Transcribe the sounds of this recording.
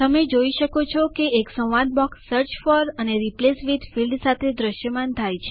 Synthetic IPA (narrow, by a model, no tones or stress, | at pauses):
t̪əmed͡ʒoiʃəkot͡ʃʰɔkeːksə̃wʋad̪̚bɔksːəɾt͡ʃfɔɾəneɾiplesʋid̪filɖsat̪ʰed̪ɾəʃjəmant̪ʰajt͡ʃʰe